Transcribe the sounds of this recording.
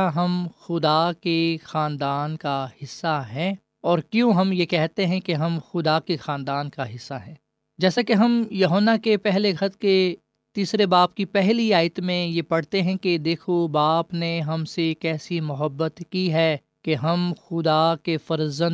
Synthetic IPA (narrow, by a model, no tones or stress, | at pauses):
ɦɐmxʊd̪akexaːnd̪aːnkahɪsːaɦɛ̃ː | ɔːɾkjõɦɐmjekɛɦt̪eɦɛ̃keɦɐmxʊd̪akexaːnd̪aːnkaɦɪsːaɦɛ̃ː | d͡ʒɛːsakeɦɐmjɐɦoːnːakepɛɦleɡʱʰɐt̪̚ke | t̪iːsɾebaːp̚kipɛɦliaːɪt̪mẽjepɐɽ̤t̪eɦɛ̃ked̪eːkʰobaːpneɦɐmsekɛːsimʊɦəbːət̪kiɦɛ | keɦɐmxʊd̪akefɐɾzə̃n